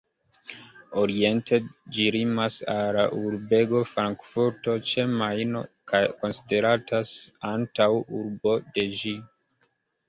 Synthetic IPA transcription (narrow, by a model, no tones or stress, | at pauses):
o̞ɾie̞ntʰe̞d͡ʒiɾimasalaʔuɾbe̞ɡo̞fɾaŋkfuɾto̞t͡ʃe̞majno̰kajko̞nside̞ɾatʰasantawuɾbo̞de̞d͡ʒi